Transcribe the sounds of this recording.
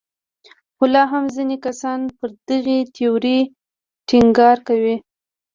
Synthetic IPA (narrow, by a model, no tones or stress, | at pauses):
xʊlɑɦamzinekasɑnpəɾd̪əɣet̪ʰeoɾi | ʈɪŋɡɑɾkawi